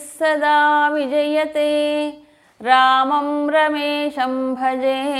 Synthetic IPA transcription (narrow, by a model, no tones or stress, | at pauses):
sɐd̪aːʋid͡ʒɐjɐt̪eː | ɾaːmɐmɾɐmeːʃɐmbʱɐd͡ʒeː